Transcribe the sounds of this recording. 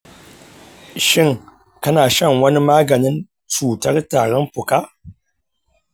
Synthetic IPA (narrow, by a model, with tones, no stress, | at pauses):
ʃi˦ŋ | ka˦naː˨ʃa˦˨ŋwɐ˦ni˦maː˦ɡa˨ni˦n | t͡suː˨ta˦ɾtaː˨ɾɐ˦npu˨ka˦